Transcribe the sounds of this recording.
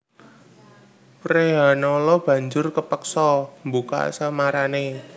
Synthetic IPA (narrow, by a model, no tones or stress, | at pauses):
preɦanɔlɔb̥ä̤ɲd͡ʒʊrkəpəksɔmbuka̰səmaɾane